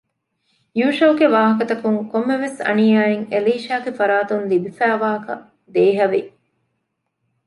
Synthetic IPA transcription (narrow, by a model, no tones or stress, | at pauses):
juːʃɐːɡeʋaːɦɐkɐt̪ɐkuŋkomːeʋesɐ̰niːaːeŋeliːʃaːɡefɐɾaːt̪unlibifæːʋaːɦɐkɐ̰ | d̪eːɦɐʋi